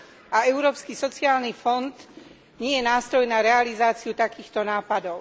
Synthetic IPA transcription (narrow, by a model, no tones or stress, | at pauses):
ʔaɛʊɾɔːpskisɔt͡siaːlnifɔnd̪ | ɲɪɛjɛnaːst̪ɾɔjnaɾɛalizaːt͡siut̪akiːxt̪ɔnaːpad̪ɔʊ